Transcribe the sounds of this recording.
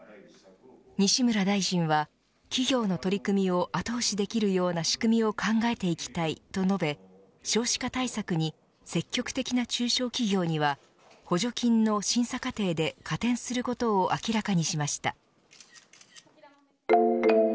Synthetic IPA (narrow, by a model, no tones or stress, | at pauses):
ɲ̟iɕimɯ̟ɾad̪aiʑĩɰ̃βa | kʲiɡʲo̞ːno̞t̪o̞ɾʲikɯ̟mʲio̞ʔat̪o̞ːɕid̪e̞kʲiɾɯ̟jo̞ːnaɕi̥kɯ̟mʲio̞kʰãŋɡae̞t̪e̞ikʲi̥t̪ait̪o̞no̞be̞ | ɕo̞ːɕi̥kat̪aisakɯ̟ɲ̟i | se̞kʲːo̞kɯ̟̥t̪e̞kʲinat͡ɕɨːɕo̞ːkʲiɡʲo̞ːɲ̟iβa | ho̞ʑo̞kʲĩnːoɕĩɰ̃sakat̪e̞ːd̪e̞kʰat̪ẽ̞ɰ̃sɨɾɯ̟ko̞t̪o̞ːʔakʲiɾakaɲ̟iɕimaɕi̥t̪a̰